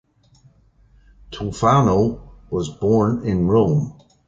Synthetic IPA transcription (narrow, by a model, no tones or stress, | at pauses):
tʰufanoʊwʌzbɔɹnɪ̃nɹõʊ̃m